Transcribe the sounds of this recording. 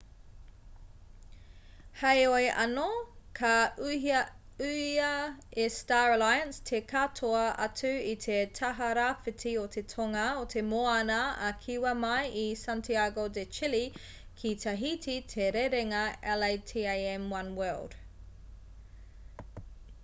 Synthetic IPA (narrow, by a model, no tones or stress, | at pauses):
hejojʔɐ̰nokʰɐ | ʉɐestaɹɐlajɐnstʰekʰatʰoɐɐ̰tʉit̪ʰetʰɐɦɐɾafitʰiot̪ʰe̞tʰoŋɐotʰemoanɐːkʰiwɐmɐjisantʰiaɡodet͡ʃili | kʰit̪ʰɐɦitʰitʰeɾeɾeŋɐɛlejtʰieɪɛmwɐnwɜld̥